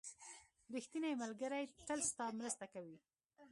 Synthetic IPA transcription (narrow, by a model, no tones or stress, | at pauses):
ɾixt̪inajmalɡəɾajʈ̪əlst̪ɑmɾəst̪akawi